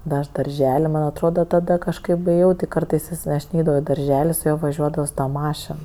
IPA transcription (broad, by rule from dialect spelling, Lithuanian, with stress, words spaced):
dɐ ˈɐʃ dɐrʲˈʒʲɛlʲ mɐnʲ ɐtˈroːdɐ ˈtɑːdɐ kɐʃˈkɐɪp eːˈjɛʊ ˈtʲɪ ˈkɐrtɐɪs ˈjɪs ɐʃ ˈnʲɛɪdɐʋɐʊ ɪ dɐrʲˈʒʲæːlʲɪ sʊ ˈjuɔ ʋɐˈʒʲuɔdɐʋoː sʊ ˈtɐ ˈmɑːʃʲɛn